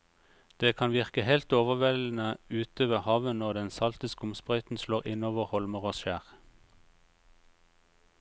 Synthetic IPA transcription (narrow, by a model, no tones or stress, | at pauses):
d̪̥eːkʰɑnʋɪʁkəhɛlt̪oːʋəʋɛln̩əʉːt̪øːʋəʁhɑːʋənnɔʁd̪ɛnsɑlt̪ɪskʊmspʁœʏt̪n̩sloːʁɪnoːʋəʁhɔlməʁoːsʃæːʁ